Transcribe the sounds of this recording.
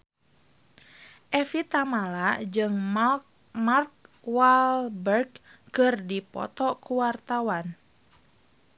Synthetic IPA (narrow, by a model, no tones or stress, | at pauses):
ʔɛfit̪amalad͡ʒɨŋ | mark̚ | walbɛrɡ̚kɨrdipɔ̰t̪ɔkuwart̪awan